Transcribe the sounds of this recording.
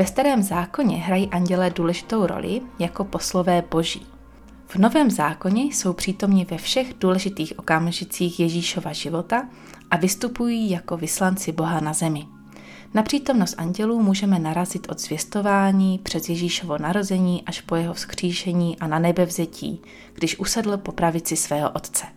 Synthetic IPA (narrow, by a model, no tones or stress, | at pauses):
vɛst̪aɾɛːmzaːko̞ɲɛɦɾajiːʔaɲɟɛlɛːduːlɛʒɪt̪o̞wɾo̰lʔɪ̰jako̞po̞slo̞vɛːbo̞ʒḭː | v̥no̞vɛːmzaːko̞ɲɛso̞wpr̝̥iːt̪o̞mɲɪvɛfʃɛɣduːlɛʒɪt̪iːxʔo̞kamʒɪt͡siːxjɛʒiːʃo̞vaʒɪvo̞t̪a | ʔavɪst̪upujiːjako̞vɪslant͡sɪbo̞ɦanazɛmɪ | napr̥iːt̪o̞mno̞st̪ʔaɲɟɛluːmuːʒɛmɛnaɾazɪt̪ʔo̞d̪zvjɛst̪o̞vaːɲiːpr̥ɛzjɛʒiːʃo̞vo̞naɾo̞zɛɲiːʔaʃpo̞jɛɦo̞fskr̝̥iːʃɛɲiːʔananɛbɛvzɛcʰḭː | ɡ̥dɪʃʔusɛdl̩po̞pɾavɪt͡sɪsvɛːɦo̰ʔo̞t̪t͡sɛ̥